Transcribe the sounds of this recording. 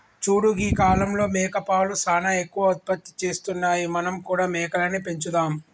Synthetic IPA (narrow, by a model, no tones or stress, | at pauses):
t͡ʃuːɽuɡiːkaːlɐmlo̞ːmɛːkɐpaːlusaːnɐekːuʋɐɐt̪̚pɐt̪ːi̥t͡ʃe̞ːst̪unːaːjimɐnɐmkuːɽaːmɛːkɐlɐnipe̞ɲt͡ʃud̪aːm